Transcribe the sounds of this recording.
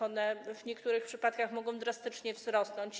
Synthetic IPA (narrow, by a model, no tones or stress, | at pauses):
ɔnɛvɲɛkt̪uɾɘxpʂɘpat̪kaxmɔɡɔ̃w̃d̪ɾast̪ɘt͡ʂɲɛvzɾɔsnɔɲt͡ɕ